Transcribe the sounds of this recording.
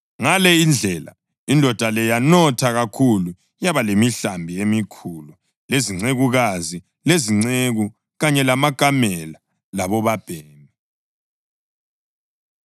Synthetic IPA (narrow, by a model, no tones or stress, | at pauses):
ŋalɛind͡ɮʱɛla̰ | indʱɔd̥ʱalɛjanɔtʰaɣakʰulu | jaβalemiɬambʱiemikʰulu | leziŋ͡ǀeɣuɣazi | leziŋ͡ǀeɣu | ɣaɲɛlamaɡ̥ʱamɛla | laβɔβab̥ʱeːni